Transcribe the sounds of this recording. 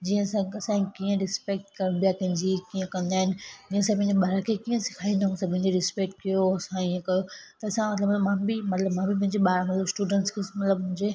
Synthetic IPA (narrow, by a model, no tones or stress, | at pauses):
d͡ʑiə̃sãɐsãkiːə̃ɾɪspek̚ʈ̚kɐɾnb̪ijakɐ̃ɦɪ̃ɲd͡ʑikiə̃kɐ̃nd̪aːɦɪnɪd͡ʑiːə̃sãpɐ̃ɦɪ̃ɲd͡ʑeɓaːɾakʰekiːə̃sɪ̥kʰaːĩnd̪aũsapɐ̃ɦɪ̃ɲd͡ʑeɾɪspek̚ʈ̚kijoɐsãiə̃kɐjot̪ɐɐsãmɐt̪ləbmbmãbimɐt̪ləbmãbipɐ̃ɦɪ̃ɲd͡ʑeɓaːɾmɐt̪ləbsʈuːɖə̃ɳʈskʰesmɐt̪ləbmʊ̃ɪ̃ɲd͡ʑe